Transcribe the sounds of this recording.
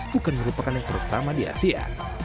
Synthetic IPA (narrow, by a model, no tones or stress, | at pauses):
b̥ukanməɾupakanjaŋp̪əɾut̪amadia̰sia̰